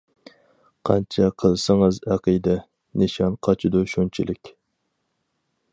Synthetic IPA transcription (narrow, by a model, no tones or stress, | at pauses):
qʰɑ̰nt͡ʃʰɛqʰəlˠsəŋɨzæqijd̪ɛ | nɨʃɑnqʰɑt͡ʃʰid̪uʃunt͡ʃʰilɪkʲ